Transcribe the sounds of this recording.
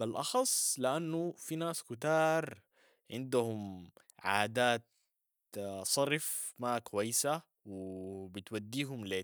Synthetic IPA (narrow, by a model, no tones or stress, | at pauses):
balʔɑxɑsˤːliʔanːufinaːskut̪ɑːɾˤ | ʕɪnd̪uhum | ʕaːd̪aːt̪̚ | sˤɑɾɪfmakwajːsa | wɪbit̪wad̪ːiːɦumleː